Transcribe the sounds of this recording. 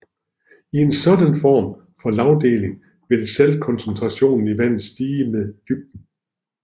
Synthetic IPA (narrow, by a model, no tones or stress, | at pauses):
ie̝nsɒ̽d̥ænfɒ̰ːm | fɒ̽lɑ̈ʊd̥e̝̰ːle̝ŋ | ʋ̥e̝d̥eselkʰɒ̽nsent͡sʰʁɑ̈ɕo̝̰ːnn̩iʋæn̰ð̩ˠsd̥iːmeðˠd̥yb̥̚d̥n̩